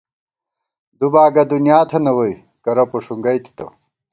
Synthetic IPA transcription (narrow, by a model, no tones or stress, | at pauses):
d̪ubaːɡɐd̪unjaːt̪ʰɐnɐwoj | kɐɾɐpoʂuŋɡɐjt̪i̥t̪ɐ̰